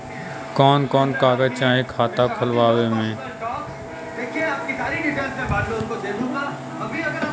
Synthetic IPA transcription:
kɔːnkɔːnkaːɡət͡ʃaːɦẽkʰaːt̪akʰʊlʋaːwemẽː | ʈɔːk | d̪eːkʰieaːp̚kisaːɾiɖɪpʰɛ̃ːnsmẽbaːɖlẽʊnkod̪eːɡʱũɡaː | ɐbʱiɐɡəɾ

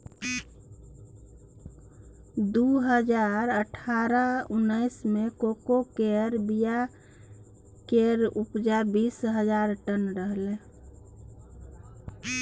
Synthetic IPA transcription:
d̪uɦəd͡ʒaɾəʈʰaɾəunəɪsmekokokeɾbija | keɾupd͡ʒabisɦəd͡ʒaɾʈənɾəɦle

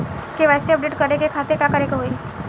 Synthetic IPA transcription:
keʋajseəp̚ɖeʈkəɾekekʰat̪eɾkakəɾekeɦoj

